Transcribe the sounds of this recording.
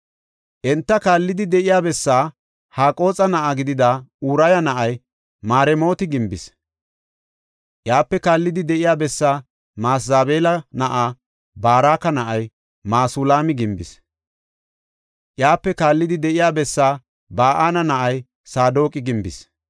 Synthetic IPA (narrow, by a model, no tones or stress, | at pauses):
ʔɛnt̪ːɐkaːlːɪd̪ɪd̪ɛʔɪjaːbɛsːaː | haːkʼo̞ːt͡sʼɐnɐʔaɡɪd̪ɪd̪auːɾɐjɐnɐʔɐj | maːɾɛmo̞ːt̪ɪɡɪmbɪs | ʔjaːpːɛkaːlːɪd̪ɪd̪ɛʔɪjaːbɛsːaː | maːsaːbe̞ːlɐnɐʔaː | baːɾaːkɐnɐʔɐj | maːsʊlaːmɪɡɪmbɪ̰s | ʔjaːpːɛkaːlːɪd̪ɪd̪ɛʔɪjaːbɛsːaː | baːʔaːnɐnɐʔɐj | saːd̪o̞ːkʼɪɡɪmbɪ̰s